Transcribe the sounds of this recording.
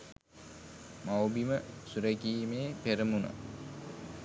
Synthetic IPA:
mawbiməsuɾekiːmeːpeɾəmunə̰

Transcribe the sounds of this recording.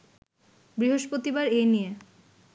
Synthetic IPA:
bɾiɦoʃpɾot̪ibaɾenije

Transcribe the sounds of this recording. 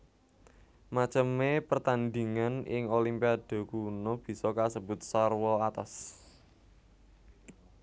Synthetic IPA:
mat͡ʃəmepərt̪and̪iŋanɪ̰ŋolimpiad̪̥o̤kunob̥i̤sɔkasəb̥ʊt̪̚sarwɔat̪as

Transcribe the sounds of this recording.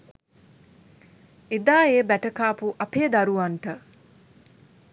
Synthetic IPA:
ed̪aːeːbæʈəkaːpuʔɐpeːd̪aɾuʋanʈə

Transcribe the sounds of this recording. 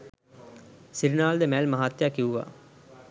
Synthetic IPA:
sɪɾnaːld̪eːmɛːlməɦaːt̪jaːkɪuːa̰ː

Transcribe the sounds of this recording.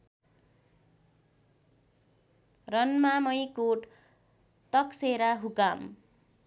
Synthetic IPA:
rʌnmamʌjkoʈ | t̪ʌkseɾaɦukam

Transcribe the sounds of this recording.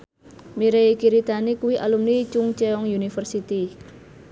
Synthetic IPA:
miɾeikiɾid̪anikuwiʔalumnit͡ʃuŋt͡ʃɛɔŋjunifərsit̪i

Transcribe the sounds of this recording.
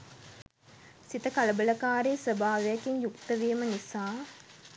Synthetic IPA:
sit̪əkaləbələkaːɾeːsəbʱaːʋejakiɲjukt̪əʋeːmənisaː

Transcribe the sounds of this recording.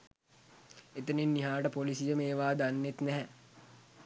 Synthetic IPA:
et̪əninːiɦaːʈəpolisijəmeːʋaːd̪anːet̪nɛɦɛ

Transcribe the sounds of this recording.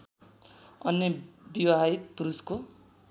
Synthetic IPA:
ʌ̰nːebiwaɦait̪̚puɾusko

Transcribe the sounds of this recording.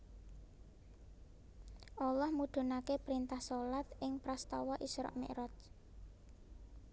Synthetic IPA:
ʔɔlɔhmuɖ̪̥ṳnakepɾint̪ahsolat̪ʔɪŋpɾɔst̪ɔwɔʔisɾɔ̰ʔmḛʔɾɔt̪

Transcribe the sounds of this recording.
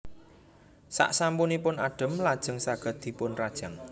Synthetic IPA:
sa̰ʔsampunipʊnaɖ̥ə̤mlad̥ʒ̥ə̤ŋsaɡ̥ə̤t̪̚d̪̥i̤pʊnrad̥ʒ̥aŋ

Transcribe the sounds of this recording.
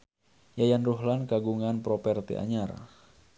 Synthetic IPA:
jajanruɦlankaɡuŋanpɾɔpɛrt̪ḛʔa̰ɲar

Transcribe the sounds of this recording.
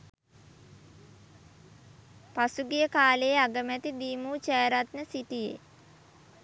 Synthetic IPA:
pasuɡijəkaːlejeaɡəmæt̪id̪iːmuːt͡ʃɛːɾat̪nəsiʈijḛ

